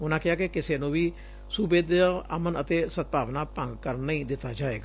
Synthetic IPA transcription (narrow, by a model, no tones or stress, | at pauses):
ʊnãːkɪɦaːkɪkɪseːnũːʋiː | subeːd̪eə̰mənət̪eːsət̪̚paːʋnaːpəŋɡkəɾnːəĩːd̪ɪt̪ːaːd͡ʒaːḛːɡaː